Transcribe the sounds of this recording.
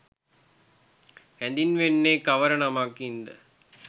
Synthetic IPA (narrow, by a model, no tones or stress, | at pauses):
ænd̪inʋenːeːkaʋəɾənamakind̪ə